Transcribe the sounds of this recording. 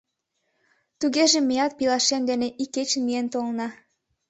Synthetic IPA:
t̪uɣeʒĕmejɑt̪̚pilɑʃemd̪eneʔikːet͡ɕənmient̪olnɑ

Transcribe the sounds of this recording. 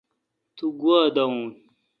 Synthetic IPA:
tuɡuadaŋun

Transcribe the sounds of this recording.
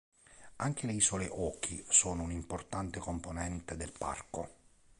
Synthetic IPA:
aŋk̟eleisoleʔɔːk̟ʰisɔːnounimport̪ant̪ekomponɛnt̪ed̪elpa̰rko̰

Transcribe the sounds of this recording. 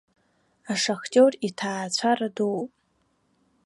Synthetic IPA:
aʂaχtʲʼoritʰaːt͡ɕʷʰaradupʼ

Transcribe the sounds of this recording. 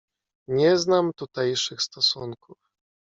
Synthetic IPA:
ɲɛznamt̪ut̪ajʂɘxst̪ɔsuŋkuf

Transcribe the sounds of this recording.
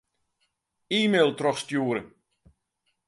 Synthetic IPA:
iːmeːlˠtrɔxstjuəɾən

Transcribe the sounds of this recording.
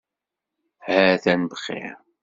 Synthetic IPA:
hæθænbəχḭ

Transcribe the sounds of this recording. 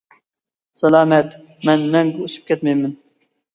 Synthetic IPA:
sælɑːmɛt̪ | mɛnmɛŋɡʲɪusɨ̥p̚kʲʰɛt̪mɛjmɪn

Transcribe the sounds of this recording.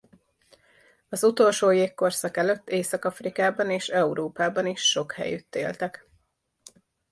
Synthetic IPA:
ɒzut̪o̞lʃoːjeːkko̞rsɒkɛløt̪ːeːsɒkɒfrikaːbɒneːʃɛuɾoːpaːbɒniʃːo̞khɛ̰jyt̪ːḛːlt̪ɛk

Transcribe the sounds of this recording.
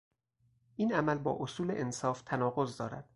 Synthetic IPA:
ʔiːnæmælbɒ̰ːʔosuːleʔensɒːft̪ʰænɒːɣozd̪ɒːɾæ̰d̪̥

